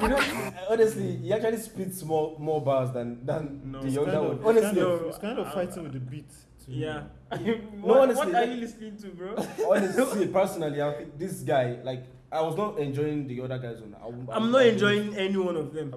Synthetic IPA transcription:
junoɔnɛstlihiak̚t͡ʃualisplitsmɔmɔbazdãndãnðɨjɔ̃ŋɡəwɔ̃nɔnɛstliskãɪ̃ndɔfaɪtɪ̃ŋwɪðəbitʰ | ja | noɔnɛsɔliahilɪsnĩŋtuboɔnɛstsipɛ˞sɔnaliaɪfĩðisɡaɪlaɪk | aɪwɔznɔtɛ̃nd͡ʒɔɪɪ̃ŋðiɔdəɡaɪzɔ̃na̰a̰ãɪ̃mnɔtɛ̃nd͡ʒɔɪɪ̃ŋɛniwʌ̃nɔvðɛ̃m

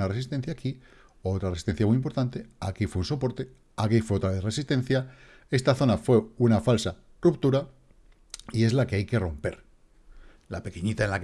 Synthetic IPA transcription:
nare̞sist̪e̞n̟θjaːki | oot̪ɾaɾresi̥st̪e̞n̟θjamujimp̬o̞ɾt̪ant̪e̞akifweunso̞po̞ɾt̪e̞ | akifwe̞o̞t̪ɾaβe̞θre̞sist̪e̞n̟θja | e̞st̪aθo̞nafwe̞unafalsa | rupt̪uɾa | ie̞zlake̞ajke̞ro̞mpe̞̰ɾ | lape̞keɲit̪aenlak

